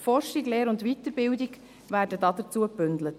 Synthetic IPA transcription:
fɔrʃiɡleːɾʊndʋitəɾbɪwdiɡ | væːɾdədɑdət͡suəpʏndlət

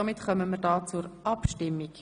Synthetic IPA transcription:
ɑmɪt̪χœməmərdɑːt͡sʊɾɑpʃtɪmːik

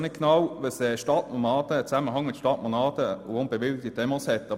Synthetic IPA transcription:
nɪt̚knɑwvəsɛʃtɑtnɔnɑːd̥̪əːt͡sæməɦɑŋmɪtʃtɑtmɔnɑːd̥əuʊnb̥evɪlɡ̚tidɛmɑshɛtːɑ

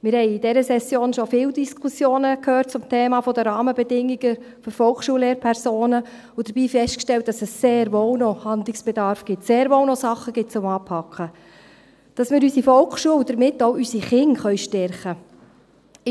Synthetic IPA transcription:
mɪːɾhɛɪjid̥ɛɾəsɛsjoːnʃɔfɪːldiskʰusjoːnəkʰøːrt̚t͡sʊmtʰeːmɑːfɔdəɾɑːməbɛdɪŋːiɡ̥ə | fyɾfɔlkʃuːəleːɾpʰɛɾsoːnə | ʊd̥əɾb̥iːfɛstkʃtɛlt̚d̥ɑsəsːeːɾʋownɔhɑnd̪lɪksb̥ɛdɑɾfɡ̥ɪtseːɾʋoːwnɔsɑχːəɡ̥ɪt̚t͡sʊmɑːpʰhɑkχə | d̥ɑsmɪːɾysifɔlkχʃuəwd̥̪əɾmɪtːoʊysiχɪŋχœɥʃtɛɾχə

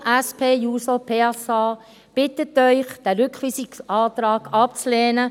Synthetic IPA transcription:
ʔɛspʰeːjuːsopʰeːsɑː | b̥ɪtətœʏχd̥æɾʏkχʋiːsɪksɑːtɾɑːɡ̥ɑpt͡sleːnə

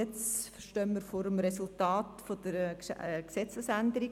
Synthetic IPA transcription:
ɛt͡sfʃtœnməɾfoːɾəmɾesultɑːtfod̪̥əɾksɛt͡səsænd̪əɾi

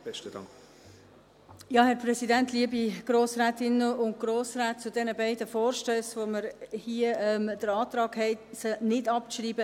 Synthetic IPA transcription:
b̥ɛʃtəd̥ɑ̰ŋk | jɑːhɛɾpʰɾɛsidɛntliːəbiɡ̥ɾoːsɾaːtɪnːəʊnt̚ɡ̥ɾoːsraːt̚t͡sʊdɛnəbaɪdəfɔːɾʃtœːsvoməɾhiəɛmd̥əɾɑːtɾɑːɡhɛɪtsənɪdɑp̚t͡sʃriːbə

